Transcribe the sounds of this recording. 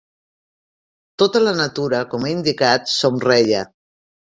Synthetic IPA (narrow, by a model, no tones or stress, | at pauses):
t̪ot̪ələnət̪uɾəkɔmeind̪ikat̪somrɛʎə